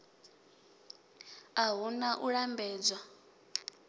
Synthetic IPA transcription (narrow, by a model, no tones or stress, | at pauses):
aɦunaʔuɺambɛːd͡zwa